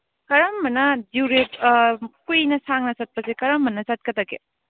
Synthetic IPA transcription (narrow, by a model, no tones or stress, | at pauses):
kɐɾɐmːɐnɐduɾepkujnɐsaŋnɐsɐt̚pɐzekɐɾɐmːɐnɐzɐt̚kɐtɐɡḛ